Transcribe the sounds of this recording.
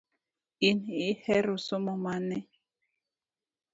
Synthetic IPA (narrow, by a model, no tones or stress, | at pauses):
inihɛɾosomɔmanɛ